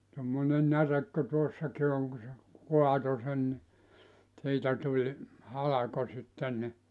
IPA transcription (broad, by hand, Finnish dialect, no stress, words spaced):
tomːone nærek ku tuosːɑki oŋ ku se kuɑto sen ni siːtæ tulʲ hɑlɑko sitːen ni